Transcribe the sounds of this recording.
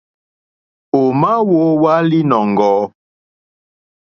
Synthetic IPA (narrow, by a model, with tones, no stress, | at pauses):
o˨ma˦wo˦wa˦li˦nɔ˨ŋ˨ɡɔː˨˦